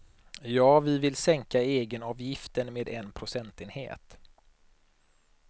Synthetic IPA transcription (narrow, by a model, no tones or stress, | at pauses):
jɑːvɪvɪlsɛŋkaeːɡənɑːvjɪft̪ənmeːd̪ɛnpʰɾʊsɛnt̪eːnhḛːt̪